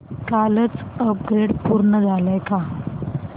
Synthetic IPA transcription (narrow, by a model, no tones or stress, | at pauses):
kalət͡səp̚ɡɾeɽpuɾɳəd͡zʱaləjka